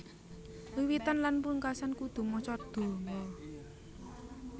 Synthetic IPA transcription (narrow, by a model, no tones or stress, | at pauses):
luwit̪anlanpuuŋkasankud̪̥ṳmɔt͡ʃɔd̪̥o̤ŋɔ